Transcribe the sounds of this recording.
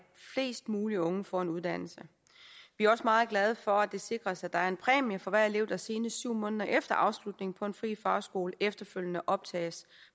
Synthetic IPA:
fle̝̰ːsd̥muːliɔ̽ŋəfɒe̝nuð̞ˠd̥æn̰l̩sə | ʋiæɐɒ̽səmɑ̈ːð̞̩ˠɡ̥lɛð̞ˠəfɒ̽æd̥e̝se̝ɡ̥ʁɐsæd̥ɑ̈æɐe̝npʰʁɛ̰ːmɐfɒ̽ʋæɐ̰ele̝ʊ̰d̥æse̝ːnəsyʊ̰mɔ̽ːnðˠɐʔefd̥ɐʔɑ̈ʊslud̥ne̝ŋ̩pʰɒ̽e̝nfʁḭːfɑ̈ːsɡ̥o̝ːlefd̥ɐføl̰jənəʔɒ̽b̥̚t͡sʰɛ̰ːs

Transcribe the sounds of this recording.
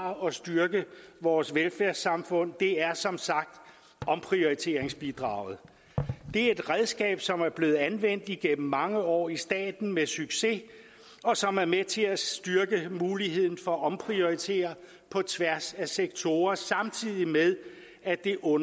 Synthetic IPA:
ɒ̽sd̥yɐɡ̥əʋɒːsʋelfæɐsɑ̈mfɔ̽n̰d̥e̝æɐsɒ̽msɑ̈ɡ̥̚d̥ | ɒ̽mpʰʁio̝it͡sʰe̝̰ːɐeŋsb̥id̥ʁɑ̰̈ʊ̰ð̞̩ˠ | d̥e̝æɐe̝d̥ʁɛðˠsɡ̥ɛ̰ːb̥sɒ̽mæɐb̥le̝ːð̩ˠænʋen̰d̥iɡ̥em̰m̩mːɑ̈ŋəɒ̰ːisd̥ɛ̰ːd̥n̩mesyɡ̥se̝ | ɒ̽sɒ̽mæɐmet͡sʰe̝æsd̥ɶɐɡ̥əmuːliɦe̝ð̞̰ˠn̩fɒ̽ʔɒ̽mpʰʁio̝it͡sʰe̝̰ːɐ | pʰɒ̽t͡sʰʋæɐsæseɡ̥̚t͡sʰo̝ːɐsɑ̈mt͡sʰið̰ˠimeðˠ | æd̥e̝ʔɔ̽n

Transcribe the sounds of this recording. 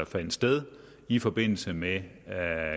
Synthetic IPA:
ɐfæn̰d̥sd̥eð̞ˠ | ifɒ̽b̥e̝n̰l̩səme

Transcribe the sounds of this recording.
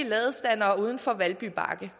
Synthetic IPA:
əlɛːð̩ˠsd̥æn̰ɐːuːð̞ˠən̩fɒ̽ʋælb̥yb̥ʰɑ̰̈ːɡ̥ə

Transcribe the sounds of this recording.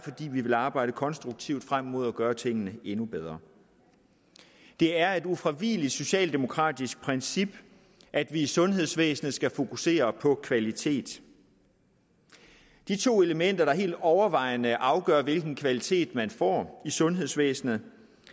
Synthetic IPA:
fɒ̽d̥ḭːʋiʋe̝lɑ̈ːb̥ɑ̈ɪ̰d̥əkʰɒ̽nsd̥ʁuɡ̥̚t͡sʰiʊ̰d̥fʁam̰mo̝ð̞̰ˠɒɡ̥ɶːɐt͡sʰe̝ŋ̰ənəenub̥eð̞ˠʁɐ | d̥e̝æɐe̝d̥ufʁiʋiːlid̥so̝ɕɛ̰ːld̥e̝mo̝kʰʁɑ̰̈ːd̥isɡ̥̚pʰʁɛnsib̥ | ʔæd̥ʋiːsɔ̽nɦe̝ð̞̰ˠsʋḛːsn̩ð̩ˠsɡ̥æfo̝kʰuse̝̰ːɐpʰɒ̽kʰʋælit͡sʰe̝̰ːd̥ | d̥it͡sʰo̝̰ːe̝ləmen̰d̥ɐɾ̥ɑ̈ɦe̝̰ːld̥ɒʊɐʋɑ̈ɪ̰nəʔɑ̈ʊɡ̥ɶɐʋe̝lɡ̥n̩kʰʋælit͡sʰe̝̰ːd̥mænfɒ̰ːisɔ̽nɦe̝ðˠsʋḛːsn̩ð̩ˠ

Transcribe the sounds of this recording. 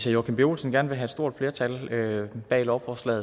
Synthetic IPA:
æjoːkʰemb̥e̝o̝̰ːlsənɡ̥æɐnəʋe̝ɦæed̥sd̥o̝ɐ̰d̥fle̝ɐt͡sʰæløb̥ɛ̰ːlɒʊfɒslɛ̰ːð̩ˠ

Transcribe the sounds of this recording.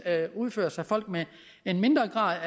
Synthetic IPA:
uð̞ˠfø̰ɐsɑ̈ɪfɒ̽l̰ɡ̥̚me | enme̝nd̥ʁɐɡ̥ʁɑ̰̈ːðˠæ

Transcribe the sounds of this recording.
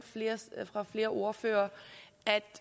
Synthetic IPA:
fle̝ːɐsfʁɑ̈fle̝ːɐʔo̝ɐføːɐʔæd̥

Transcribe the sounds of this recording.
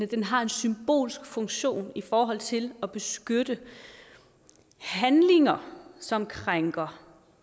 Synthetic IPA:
əd̥enɦɑ̈e̝nsymb̥o̝̰ːlsɡ̥fɔ̽ŋɕo̝̰ːnifɒːɦɒ̽l̰t͡sʰe̝lɒb̥e̝sɡ̥ød̥ə | hænle̝ŋɐsɒ̽mkʰʁaŋɡ̥ɐ

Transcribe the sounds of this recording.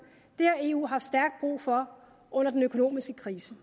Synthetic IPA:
d̥e̝æe̝ːṵːɦɑ̈fsd̥æɐɡ̥̚d̥̚b̥ʁṵːfɒ̽ | ɔ̽n̰ɐd̥enøkʰo̝no̝̰ːmisɡ̥əkʰʁiːsə

